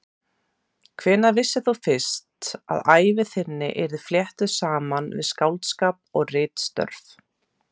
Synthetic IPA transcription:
kʰvɛːnavɪsːɪθufɪ̥st̪a̰ðaːjvɪθɪnːɪ̰ʔɛɾðɪfljɛht̪ʏsaːmanvɪ̰ðskawlt̪skaːpɔɣrɪːt̪st̪œ̰ɾf

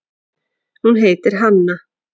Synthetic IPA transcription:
hunɦeːjt̪ɪɾ̥ɦanːa

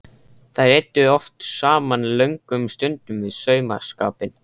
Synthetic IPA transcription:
θajɾɛt̪ːʏɔft̪saːmanlœɥŋkʏmst̪ʏnt̪ʏmvɪðsœːɥma̰ska̰ːpɪn

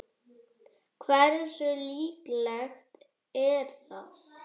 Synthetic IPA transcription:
kʰvɛɾsʏliːklɛxt̪ | ɛɾ̥θað

